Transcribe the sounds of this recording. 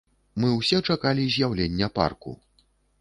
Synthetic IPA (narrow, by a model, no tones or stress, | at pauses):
mɨwsʲɛt͡ʂakalʲizʲjawlʲenʲːɐpa̰rkṵ